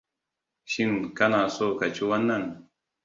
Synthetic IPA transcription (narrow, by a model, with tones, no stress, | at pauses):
ʃi˦nka˦na˨so˦ka˨t͡ʃu˦wa˦na˦n